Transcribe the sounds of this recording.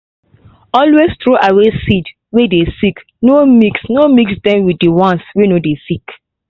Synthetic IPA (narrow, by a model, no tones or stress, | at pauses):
ɔlwestɹoʔawesid | wedesik | nomiksnomiksdɛ̃mwiddiwɔ̃nswenodesik